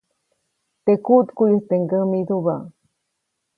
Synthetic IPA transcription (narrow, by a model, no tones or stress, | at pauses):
t̪ekut̪kujuht̪eŋɡəmit̪uba